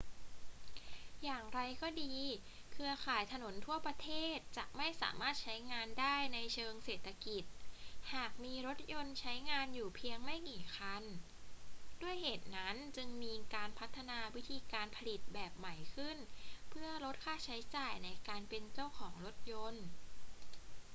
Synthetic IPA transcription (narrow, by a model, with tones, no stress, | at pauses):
jaː˨˩ŋɾa˧jkɔː˥˩diː˧ | kʰɯ˧ɐkʰaː˨˩jt̪ʰa˧no˩˦nt̪ʰu˥˩ɐpɾa˧t̪ʰeː˥˩t̪̚t͡ɕa˨˩k̚ma˥˩jsa̰ː˩˦maː˥˩t̪̚t͡ɕʰa˦˥jŋaː˧ndaː˥˩jna˧jt͡ɕʰɤː˧ŋseː˨˩t̪ʰːa˧ki˨˩t̪̚haː˨˩k̚miː˧ɾo˦˥t̪̚jo˧nt͡ɕʰa˦˥jŋaː˧njuː˨˩pʰi˧əŋma˥˩jkiː˨˩xʰa˧n | du˥˩əjheː˨˩t̪̚na˦˥nt͡ɕɯ˧ŋmiː˧kaː˧npʰa˦˥t̪ʰːa˧naː˧wi˦˥t̪ʰiː˧kaː˧npʰa˧li˨˩t̪̚bɛː˨˩p̚ma˩˦jkʰɯ˥˩npʰɯ˥˩ɐɾo˦˥t̪̚kʰaː˥˩t͡ɕʰa˦˥jt͡ɕaː˨˩jna˧jkaː˧npe˧nt͡ɕa˥˩wkʰɔː˩˦ŋɾo˦˥t̪̚jo˧n